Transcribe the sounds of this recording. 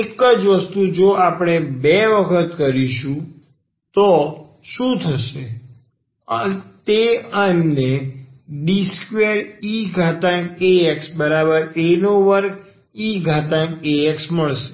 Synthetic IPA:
ekəd͡ʒʋəst̪ud͡ʒoapɽ̃ebeʋəkʰət̪kəɾiʃũ | t̪o | ʃũt̪ʰəʃe | ət̪eənːeɖiskʋeɾiɡʱat̪ãkeeksbəɾabəɾenoʋəɾk | iɡʱat̪ãkeeksməɭʃe̥

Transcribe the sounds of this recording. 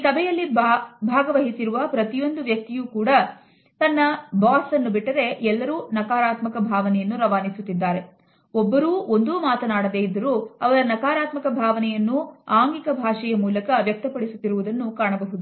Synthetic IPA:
isɐbʱɛjɐlːibʱaːɡɐʋɐɦisiɾuʋɐpɾɐt̪ijo̞nd̪uʋjɐk̚t̪ijuːkuːɽɐ | t̪ɐnːɐbaːsɐnːubiʈːɐɾe̞ʔɛlːɐɾuːnɐkaːɾaːt̪mɐkɐbʱaːʋɐnɛjɐnːuɾɐʋaːnisut̪ːid̪ːaːɾe̞ | ɔbːɐɾuːo̞nd̪uːmaːt̪ɐnaːɽɐd̪e̞ːid̪ːɐɾuːɐʋɐɾɐnɐkaːɾaːt̪mɐkɐbʱaːʋɐnɛjɐnːuaːŋɡikɐbʱaːʂɛjɐmuːlɐkɐʋjɐk̚t̪ɐpɐɽisut̪ːiɾuʋud̪ɐnːukaːɳɐbɐɦud̪u

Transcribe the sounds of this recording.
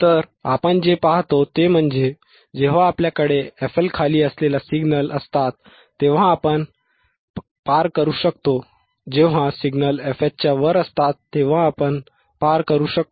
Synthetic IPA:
t̪əɾ | apəɳd͡ʑepaɦt̪ot̪em̤əɳd͡ze | d͡ʑeʋ̤aːpljakəɽeefelkʰaliːəslelasiɡnələst̪at̪ː | eʋ̤ãːpəɳ | paɾkəɾuːɕəkt̪o | d͡ʑeʋ̤ãsiɡnəlefet̚t͡ɕjaʋəɾəst̪at̪ːeʋ̤ãːpəɳ | paɾkəɾuːɕək̚t̪o

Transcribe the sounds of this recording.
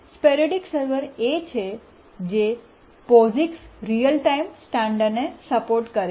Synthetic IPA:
speɾəɖiksəɾʋəɾet͡ʃʰe | d͡ʒe | pɔziksɾijəlʈaimsʈãɳɖənesəpoɾʈkəɾe

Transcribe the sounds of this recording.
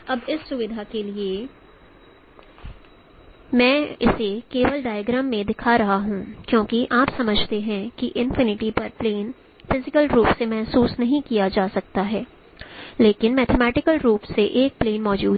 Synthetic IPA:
ɐbɪsːʊʋɪd̪ʱakelie | mɛ̃ːɪsekeːʋəlɖaːɪjəɡɾəːmːẽd̪ɪkʰaɾɐɦaɦũkjõːkiʔaːpsɐməd͡ʒʱt̪eɦɛ̃kiʔɪ̃nfɪnɪʈipɐɾpleːn | fɪzɪkəlɾuːpsemɛɦsuːsnɐɦĩkijad͡ʒaːsɐk̚t̪aɦɛː | leːkɪnmɛːt̪ʰɛmɛːʈɪkəlɾuːpseʔeːk̚pleːnmɔːd͡ʒuː

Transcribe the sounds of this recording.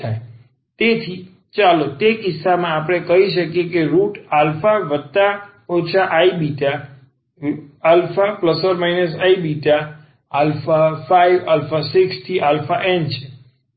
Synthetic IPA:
aj | t̪et̪ʰi | t͡ʃalot̪ekɪsːamãːpəɽ̃ekəɦiʃəkjekeɾuʈalfaʋət̪a | ot͡ʃʰaʔaibiʈa | alfapləsəɾmainəsaibiʈa | alfafaiʋalfasikst̪ʰiʔalfaʔent͡ʃʰe

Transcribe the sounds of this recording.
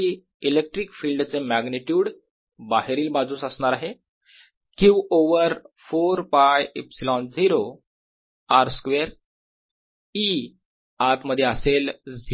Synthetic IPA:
i | ilek̚ʈɾikfiːlɖt͡semæɡniʈjuːɽ | baɦeɾiːlbad͡zũːsəsɳaɾaɦe | kĩwoʋəɾfoɾpajipsilɔnd͡ziɾo | aɾskʋeɾ | i | at̪məd̪ʱːjeəseld͡zi

